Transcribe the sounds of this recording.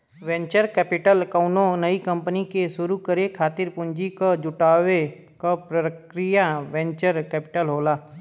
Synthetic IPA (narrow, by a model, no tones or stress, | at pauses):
ʋɛ̃ːɲt͡ʃəɾkɛːpɪʈəlkəʊnõnəikɐ̃mpənikeʃʊɾukəɾekʰaːt̪ɪɾpʊ̃ɲd͡ʒikad͡ʒʊʈaːwe | kapɾəkɾɪjaʋɛ̃ɲt͡ʃəɾkɛːpɪʈəlɦoːlaː